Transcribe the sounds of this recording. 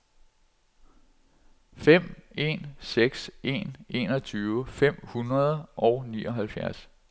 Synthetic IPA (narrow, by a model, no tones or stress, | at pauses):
fem̰e̝̰nseɡ̥se̝̰ne̝ːnɒ̽t͡sʰyːʊəfem̰hunʁɐð̞ˠʔɒ̽ʊnḭːʔɒ̽ɦælfjæɐs